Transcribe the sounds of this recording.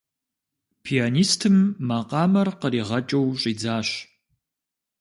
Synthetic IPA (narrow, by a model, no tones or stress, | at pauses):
pʰianiːstʰɨmːaqɑːmɐrqəɾiːʁɐt͡ʃʼɐwɕʼiːd͡zaːɕ